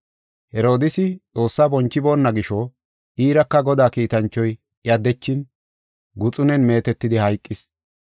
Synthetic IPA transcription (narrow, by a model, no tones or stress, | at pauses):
hɛɾo̞ːd̪ɪsɪt͡sʼo̞ːsːaːbɔnt͡ʃːɪbo̞ːnːɐɡɪʃɔ | ʔiːɾɐkːɐɡɔd̪aːkiːt̪ɐnt͡ʃːɔj | ɪɐd̪ɛt͡ʃːɪn | ɡʊt͡sʼʊnɛnme̞ːt̪ɛt̪ːɪd̪ɪhɐjkʼːɪs